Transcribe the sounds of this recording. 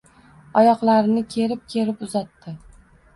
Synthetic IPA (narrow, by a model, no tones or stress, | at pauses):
ɒjɒqlˠaɾɪnɪkʲʰe̞ɾɪp̚kʲʰe̞ɾɪpʊzat̪ːɪ